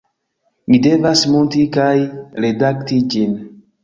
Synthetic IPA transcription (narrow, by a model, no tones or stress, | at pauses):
nidevasmontikajɾedaktid͡ʒin